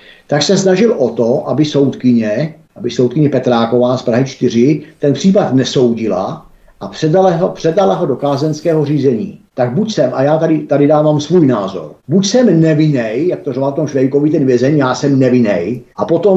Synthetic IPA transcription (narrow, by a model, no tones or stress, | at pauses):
t̪aksɛsnaʒɪlʔot̪oʔabɪso̞wt̪kɪɲɛʔabɪsowt̪̚kɪɲɛpɛt̪ɾaːko̞vaːspɾaɦɪt͡ʃt̪ɪr̝ɪt̪ɛnpr̝̥iːpat̪nɛso̞wɟɪla̰ | ʔapr̥ɛdaɦpr̝̥ɛdalaɦo̞do̞kaːzɛnskɛːɦoriːzɛɲḭːt̪aɡ̚bucsɛmʔajaːt̪adɪt̪adɪdaːvaːmsvuːjnaːzo̰ɾbucsɛmnɛvɪnɛjjak̚t̪orovalft̪omʃvɛjkovit̪ɛnvjɛzɛɲjaːsɛmnɛvɪnɛjʔapot̪om